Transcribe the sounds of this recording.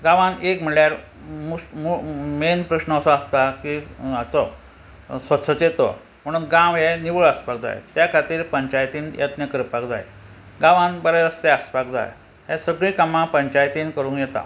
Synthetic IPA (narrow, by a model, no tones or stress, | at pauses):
ɡãʋãnekm̤iɭɭjaɾ | mumumenpɾəɕnəːsɔəst̪akiat͡sɔ | sʋətsʰət͡ɕet̪ɔ̰ | m̤əɽ̃uːnɡãʋɦeniʋəɭəspak̚d͡za̰j̰t̪jakʰat̪iːɾpəɲt͡ɕajt̪iːnjʔə̰t̪njəkəɾpakd͡za̰j̰ | ɡãʋãnbəɾeɾəst̪eəspakd͡za̰j | ɦesəɡɭĩkamãpəɲt͡ɕajt̪inkəɾuːnjɛt̪a̰